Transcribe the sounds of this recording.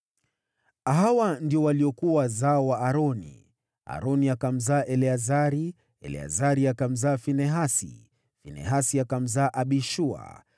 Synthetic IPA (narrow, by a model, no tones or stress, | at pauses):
aɦawandiɔwaliɔkuazaɔwaaɾɔnḭ | a̰ɾɔniakam̩zaːʔɛlɛazaɾi | ɛ̰lɛ̰a̰zaɾiakam̩zaːfinɛɦasḭ | finɛ̰ɦasiakam̩zaːʔaɓiʃua̰